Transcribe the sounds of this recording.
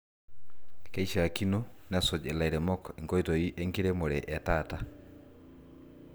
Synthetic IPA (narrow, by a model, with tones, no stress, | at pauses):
kɛ˨i˦ʃa˨a˨ki˦nɔnasɔ˨d͡ʒɛ˨la˨i˨ɾɛ˨mɔ˦ki˨ŋkɔ˦itɔ˨i˦ʔe˦ŋki˦ɾɛ˦mo˨ɾɛ˨ʔa˨tata